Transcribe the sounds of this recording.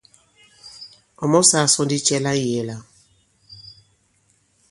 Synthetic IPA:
ɔ˨mɔ˦sa˨sɔ˦ndi˦t͡ʃɛ˦la˦i˦e˨la˨

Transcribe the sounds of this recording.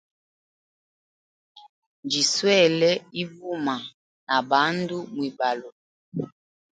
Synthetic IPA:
nd͡ʒi˨swɛ˦˨lɛ˦i˦vu˦ma˨ | na˨ba˨˦ndu˦mwi˨ba˨lo˨

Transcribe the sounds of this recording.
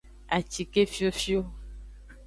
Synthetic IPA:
a˨t͡ʃi˨ke˦fi˦o˦fi˦o˦

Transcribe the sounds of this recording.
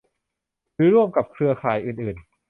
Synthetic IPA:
ɾɯː˦ɾu˥˩əmka˨˩p̚kʰɾɯ˧ɐkʰaː˨˩˦jʔɯː˨˩nʔɯː˨˩n

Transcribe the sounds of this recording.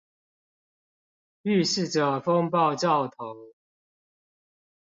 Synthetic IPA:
y˥˨ʂɻ̩˥˨ʈ͡ʂə˨˩fo˦ŋpɑ˥˨ʊt͡ɕɑ˥˨ʊt̪ʰo˨˦ʊ

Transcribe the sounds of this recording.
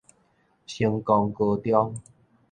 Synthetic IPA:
ɕi˧ŋkɔ˧ŋkə˧t̪jɔ˦ŋ

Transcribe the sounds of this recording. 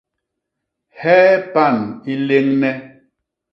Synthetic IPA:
hɛː˦pa˦˨ni˦le˦ŋnɛ˦

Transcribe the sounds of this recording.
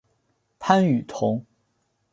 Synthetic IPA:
pʰa˥ny˨˩t̪ʰʊ˧˥ŋ

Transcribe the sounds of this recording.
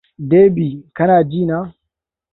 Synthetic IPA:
deː˦biː˨kɐ˦naː˨d͡ʒiː˦˨naː˦

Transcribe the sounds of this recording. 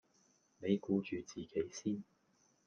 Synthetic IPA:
ne˨˧jkuː˨˧˥t͡ʃyː˨t͡siː˨˩ke˨˥jsiː˥n

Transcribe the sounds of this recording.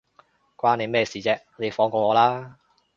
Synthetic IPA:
kʷaː˥ne˨˧mɛː˥˩siː˨t͡sɛː˧k̚ne˨˧jfɔː˨˧ŋkɔː˧ŋɔː˨˧laː˥

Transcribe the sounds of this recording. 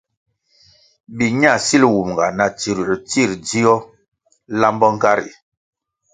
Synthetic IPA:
bi˨ɲa˦˨si˦lwu˨m˨ɡa˨na˨ti˨ɾt͡si˦˨ɾdi˦ɔ˦ | la˦mbɔ˦ŋ̩˦ka˦ɾḭ˨

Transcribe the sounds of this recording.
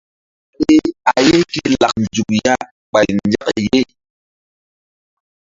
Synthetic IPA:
i˦a˨je˦ki˦la˨k̚n˨d͡ʒu˨k̚ja˦ | k͡pa˨jnd͡ʒa˦k̚je˦˨

